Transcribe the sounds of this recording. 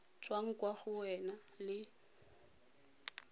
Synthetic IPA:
t͡sʼwaŋ̩kʼwaɣʊwɛna | lɪ

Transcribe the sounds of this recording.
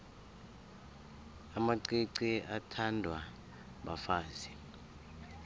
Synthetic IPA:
amaǀiǀiatʰandʱwa | ɓafaːzi

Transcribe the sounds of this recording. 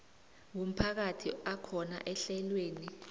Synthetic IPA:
wom̩pʰak̬atʰiakʰɔna̰ʔɛɬɛlweːni

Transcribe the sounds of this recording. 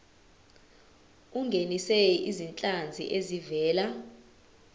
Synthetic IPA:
uŋɡʱeniseizint͡ɬʼand͡zʱḭʔezivɛːla

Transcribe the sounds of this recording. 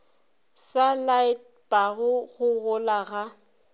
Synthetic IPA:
salaɪt | baɣʊɣʊɣʊlaɣa

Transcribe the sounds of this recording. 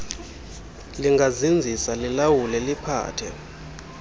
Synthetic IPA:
liŋɡʱazind͡zʱisalilawulɛlipʰa̰ːtʰɛ

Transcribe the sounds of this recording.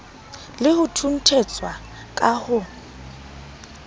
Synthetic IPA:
lɪhʊtʰun̩tʰet͡sʼwa | kʼahʊ

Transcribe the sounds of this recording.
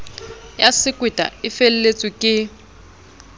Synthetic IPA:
jasɪkʼwitʼa̰ɪfellet͡sʼikʼɪ

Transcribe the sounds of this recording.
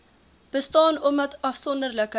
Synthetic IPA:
b̥əstɑːnɔmət̪ɑfsɔnd̪ərləkə

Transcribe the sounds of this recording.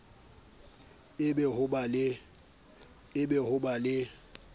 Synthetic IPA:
ɪbɛhʊbalɪ | ɪbɛhʊbalɪ

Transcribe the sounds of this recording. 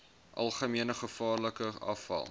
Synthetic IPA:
ʔɐ̰lˠχəmiənəχəfɑːrləkəɐ̰fɐ̰lˠ

